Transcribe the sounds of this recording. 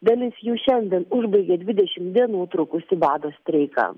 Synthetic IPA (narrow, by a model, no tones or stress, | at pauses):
d̪ɐlʲɪsjuːʃʲɛnʲd̪ʲiɛnʊʒbɐɪɡʲeːd̪ʲʋʲɪd̪ʲɛʃʲɪmd̪ʲiɛnuːt̪ɾʊkʊsʲɪbɑːd̪oːsʲt̪ʲɾʲɛɪkɐ̰